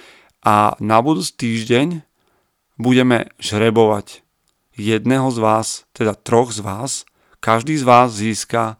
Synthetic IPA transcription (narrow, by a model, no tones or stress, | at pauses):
ʔa̰nabud̪uːt͡si̥ːt̪iːʒɟɛɲ | buɟɛmɛ̰ʒɾɛbɔʋa̰c | jɛd̪nɛɦɔzʋaːst̪ɛd̪at̪ɾɔɣzʋaːs | kaʒd̪iːzʋaːzːiːska